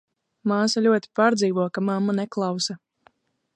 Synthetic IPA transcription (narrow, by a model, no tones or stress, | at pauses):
maːsalʲuɔt̪ʲi̥paːɾd̪ziːvuɔkamamːanɛklˠɑwsa